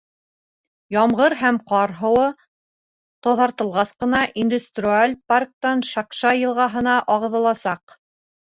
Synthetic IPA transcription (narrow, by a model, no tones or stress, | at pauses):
jɑmʁɤɾɦæmqɑɾɦɤ̆wɤ | t̪oðɑɾt̪ɤ̆lˠʁɑsqɤ̆nɑʔind̪ust̪rʲialʲpark̚t̪ɑnʃɑkʃɑjɤ̆lˠʁɑɦɤ̆nɑʔɑʁɤ̆ðɤ̆lˠɑsɑq